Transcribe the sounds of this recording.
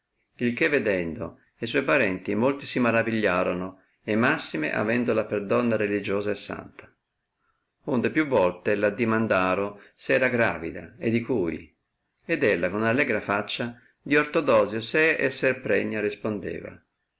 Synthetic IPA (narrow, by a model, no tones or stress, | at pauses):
ilkevːed̪ɛnd̪o̰ | es̬wɔjpaɾɛnt̪imolt̪isimaɾaviʎːaːɾono | emasːimḛʔa̰vɛnd̪olaperd̪ɔnːaɾelid͡ʒoːzaesːa̰nt̪ḁ | und̪epjuvːɔlt̪elad̪imand̪aːɾosɛːɾaɡɾa̰ːvḭd̪a̰ed̪ikuːj | ed̪ɛlːakonalːɛːɡɾafat͡ʃːa | d̪iort̪od̪ɔːzjoseɛsːɛrpɾɛɲːaɾispond̪ḛːva̰